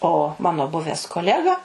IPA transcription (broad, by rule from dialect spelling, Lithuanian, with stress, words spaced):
oː ˈmɑːnoː ˈbʊʋʲɛs koːˈlʲæːɡɐ